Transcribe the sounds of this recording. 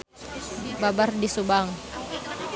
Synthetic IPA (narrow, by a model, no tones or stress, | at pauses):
babardisubaŋ